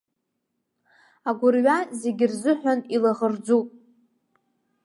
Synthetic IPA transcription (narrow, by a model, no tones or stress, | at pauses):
aɡʷʊrɥaze̞ɡʲɪrzɨħʷᶣanilaʁərd͡zupʼ